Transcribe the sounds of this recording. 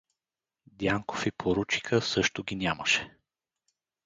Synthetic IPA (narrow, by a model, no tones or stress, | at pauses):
d̪jaŋko̥fipʰoɾut͡ʃi̥kəsɤʃt̪ʊɡʲinʲaməʃɛ̥